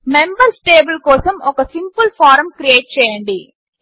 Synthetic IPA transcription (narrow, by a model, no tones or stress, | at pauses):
membɐɾsʈeːbɐlkɔːsɐmɔkɐsimpulpʰaːɾɐmkɾieːʈ̚t͡ʃɛːjɐɳɖi